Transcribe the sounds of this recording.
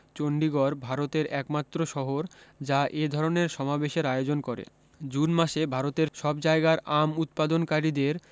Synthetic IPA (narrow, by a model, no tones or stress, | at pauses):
t͡ɕoɳɖiɡɔɾbʱaɾot̪eɾɛkmat̪ːɾoʃɔɦoɾd͡ʑaʔed̪ʱɔɾoneɾʃɔmabeʃeɾajod͡ʑonkɔɾḛ | d͡ʑunmaʃebʱaɾot̪eɾʃɔbd͡ʑaeɡaɾamut̪̚pad̪onkaɾid̪eɾ